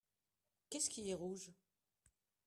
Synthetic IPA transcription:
kʲɛskʲiɛʁuʒ

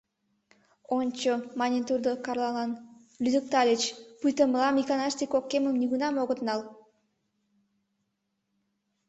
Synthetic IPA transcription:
onʲt͡ɕomɑnʲint̪urd̪okɑrlˠɑlɑn | lʲyd̪ək̚t̪ɑlʲet͡ɕpujt̪əməlɑmikɑnɑst̪ʲikokːeməmniɣunɑmoɣət̪nɑl

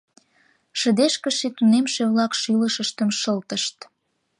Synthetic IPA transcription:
ʃə̆d̪eʃkəʃit̪unemʃeβlɑkʃyləʃəʃt̪əmʃəlt̪əʃt̪

